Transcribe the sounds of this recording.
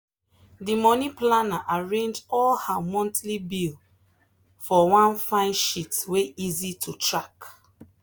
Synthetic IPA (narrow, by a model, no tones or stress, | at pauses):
dimɔniplanaʔaɹẽnd͡ʒɔlhamɔ̃ntlibil | fɔwãnfãɪ̃nʃitweizitʰutɹak